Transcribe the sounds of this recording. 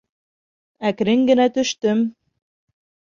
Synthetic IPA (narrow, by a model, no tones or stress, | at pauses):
ækɾɘŋɡɘ̆næt̪ɵ̆ʃt̪ɵm